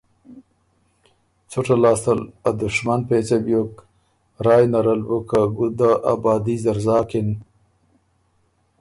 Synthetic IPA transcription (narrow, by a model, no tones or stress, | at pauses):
t͡suʈalɑːst̪alad̪ʊʂmanpeːt͡sabjok | ɾɑːjnaɾalbukaɡud̪aʔa̰bɑːd̪izaɾzɑːkin